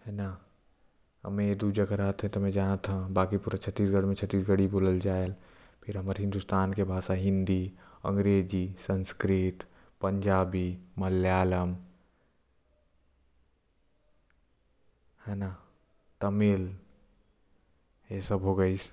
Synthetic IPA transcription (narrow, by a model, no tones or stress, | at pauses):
hɛna | ə̰mẽed̪ud͡ʒəɡəɾəɦət̪ɦɛ̃t̪ɔmɛ̃d͡ʒanət̪ɦãbakipuɾat͡ʃʰət̪ːisɡəɽmet͡ʃʰət̪ːisɡəɽiboləld͡ʒael | pʰiɾɦəməɾɦɪ̃nd̪ust̪aːnkebʱasaɦɪ̃nd̪iə̰ŋɡɾed͡ʒisənskɾit̪ | pəɲd͡ʒaːbiməljaːləm | hɛna | t̪əmil | jesəbɦoɡəɪs